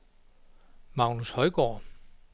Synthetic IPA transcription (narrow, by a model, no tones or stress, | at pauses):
mɑ̈ʊ̰nushɒ̽ɪɡ̥ɒ̰ː